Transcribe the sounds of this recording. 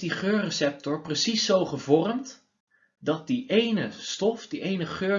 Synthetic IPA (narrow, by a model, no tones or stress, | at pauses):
diχøːɹrəsɛp̚tɔɹprəsisːowχəvɔrəmt | dɑt̚diʔejnəstɔfdiʔejnəχøː